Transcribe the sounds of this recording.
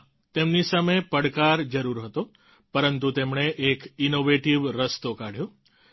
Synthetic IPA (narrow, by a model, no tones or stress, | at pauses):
t̪emnisamepəɽkaɾd͡ʒəɾuɾɦət̪o | pəɾənt̪ut̪emɳeʔːkinoʋeʈiʋɾəst̪okaɽ̤jõ